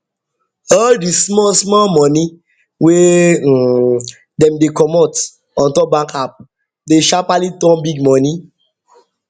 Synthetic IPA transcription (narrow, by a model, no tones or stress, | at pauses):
ɔldismɔsmɔmɔni | we | dɛ̃mdekɔmɔt | ɔ̃ntɔbãŋkap̚ | deʃapalitɔ̃nbiɡmɔ̃ni